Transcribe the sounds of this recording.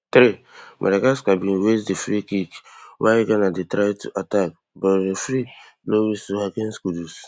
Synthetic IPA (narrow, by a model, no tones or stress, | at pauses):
tɾemʔa̰dakaskabĩnwesdefɾikikwaiɡanadetɾatṵʔatak̚ | bɔɾdefɾi | lowisuhakẽnskudus